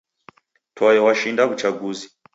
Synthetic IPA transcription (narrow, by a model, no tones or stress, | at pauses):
tʰɔjɛwaʃindakut͡ʃaɡuzi